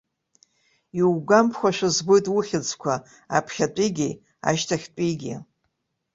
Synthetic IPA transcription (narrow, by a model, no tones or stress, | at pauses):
iwɡʷampʰχʷaʃʷᶣɨzbojtʼwuχʲɪd͡zkʷʰa | apʰχʲat͡pʷʼiɡʲi | a̰ʃtʰaχʲt͡pʷʼiɡʲɪ̰